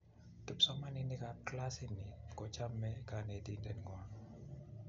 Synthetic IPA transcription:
kɪ˨psɔ˦ma˦ni˦ni˦ka˨kla˦si˦ni˨kɔ˨t͡ʃa˦mːɛ˦ka˨ne˨ti˦ndɛ˨n˨ŋwa˨˦

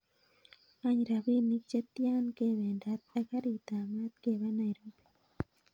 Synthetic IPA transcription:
a˦ɲɾa˨bi˦ni˦k̚t͡ʃe˦t̪ːja˦nke˦βe˨nda˨˦t̪̚a˦ka˦ɾi˨t̪a˨ma˦t̪̚ke˦˨βa˦na˨jɾo˨m

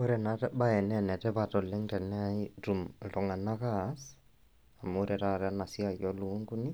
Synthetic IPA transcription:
o˦ɾɛ˨na˨tɛ˦ba˦ɛ˨nɛ˦nɛ˨tɛ˦pa˨tɔ˨le˦ŋtɛ˨nɛ˦a˦i˦tu˨mtɔ˨ŋa˨na˦ka˦s | a˨mo˦ɾɛ˨ta˦ɾɛ˦a˦na˨si˦a˨jɔ˦lu˨˦ŋɡu˦ni˦

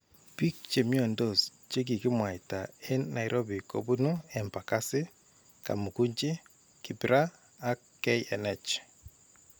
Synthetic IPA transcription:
pi˦k̚t͡ʃe˨mjo˦ɛ˨ndo˨st͡ʃe˦k̬i˨kɪ˦mwa˨i˨ta˨e˦nːa˨jɾʔo˦bi˨ko̰˨bu˦nu˦ɛ˨mpa˨ka˦sɪ˦ | ka̰˨mu˨ku˦ɲt͡ʃi˦ | ki˨piɾaː˦ | kː | ɛɛnɛt͡ʃ

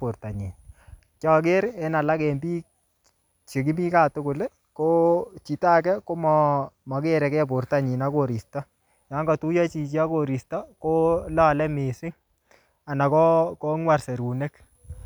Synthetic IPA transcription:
ʊ˨ɾta˨ɲi˨n | kjɔ˨k̬ɪ˦ɾɛ˦na˨la˦kɛ˨mbi˦ | t͡ʃe˨k̬i˦mi˦ka˦˨tʊ˦kʊ˨le˦ | ko˦t͡ʃi˨ta˦kɛ˦ko˦mɔ˨mɔ˨ke˦ɾɛ˨kɛ˦p̬ʊ˨ɾta˦˨ɲi˨na˦ko˨ɾi˨stɔ˦ | ja˨˦ŋɡɔ˨tu˦ja˦t͡ʃi˨t͡ʃi˦a˦ko˦ɾi˨stɔ˦ko˦lɔ˦˨lɛ˦mɪ˨sɪ˦ŋ | a˨na˨kɔ˦ko˦ŋwa˦˨rse˨ɾu˨ne˦k

